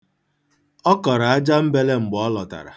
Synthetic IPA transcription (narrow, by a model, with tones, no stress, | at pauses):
ɔ˦kɔ˨ɾa˨a˦d͡ʒa˦m̩˦be˦le˦ŋ͡m̩˨ɡ͡bɔ˦lɔ˨ta̰˨ɾa̰˨